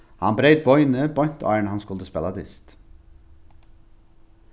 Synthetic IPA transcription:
hɑ̰nbɾeʏd̪̚bɔʏnəbɔʏnt̪ʰɑ̰ːəɳəhɑnskʉlt̪əspɛlɑd̪ɪ̰st̪

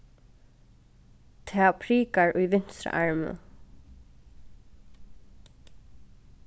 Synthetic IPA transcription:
t̪ʰɛːpʰɾiːkaɹʔʊjʋɪn̥sɾə̰ʔaɹmə̰

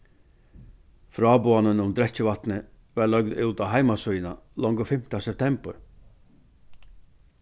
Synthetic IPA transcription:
fɾɔːboanənʊmd̪ɾɛt͡ɕːəʋat̪nə | ʋaɭœɡd̪ʉwt̪aɦaɪmasujnalɔŋɡəfɪm̥t̪asɛp̚t̪ʰɛmbəɹ

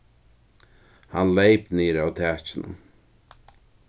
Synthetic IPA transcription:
hanlejpneːɾawt̪ʰæːt͡ʃɪnʊ̰m

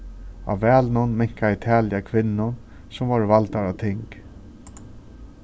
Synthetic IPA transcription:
a̰vɛːlnʊnmɛɲ̥kaɪt̪ʰɛːljakʰʋɪnːʊn | sʊmvɔɹvalt̪aɾat̪ʰɪŋk

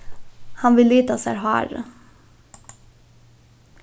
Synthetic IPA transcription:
hɑnʋɪlːiːt̪asæ̰ːɾɦɑ̰ːɾə

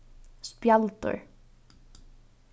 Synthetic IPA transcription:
spjalt̪ʊ̰ɹ

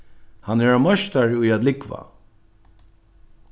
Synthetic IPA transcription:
hanɛɹamœʃt̪aɹʊjat̪lɪkva̰

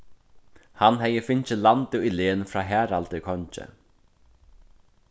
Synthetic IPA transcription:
hanɦɛjəfɪɲt͡ɕɪlant̪ɪʏleːnfɾaːɦæːɾalt̪ɪkʰɔɲt͡ʃɪ̰

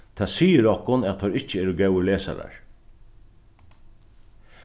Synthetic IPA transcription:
t̪ʰaːsiːəɾɔhkʊnat̪t̪ʰɔɾɪht͡ʃəɛːɾəɡɛwəleːsa̰ɾa̰ɹ

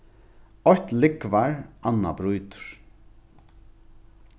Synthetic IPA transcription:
ɔht̪lɪkvaɹanːa̰bɾujt̪ʊ̥ɾ̥

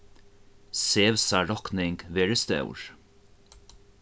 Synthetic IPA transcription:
seːʋsæɹɔknɪŋɡʋeːɹəst̪ɑ̰ʉ̰ɹ

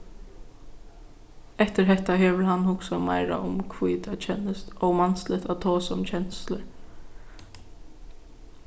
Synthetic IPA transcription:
ɛht̪əɾɦɛt̪aɦɛːʋɪlhanhʊksamaɪɾa̰ʔʊmkʰvuːt̪at͡ʃʰɛnːəst̪ɔwmanslɪt̪at̪ʰoːsɔɔmt͡ʃʰɛnslə

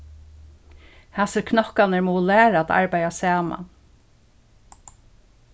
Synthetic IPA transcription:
hasɪɾkʰnɔhkanəɹmɔːlæːɾaæt̪a̰ɹpajasæːma̰n

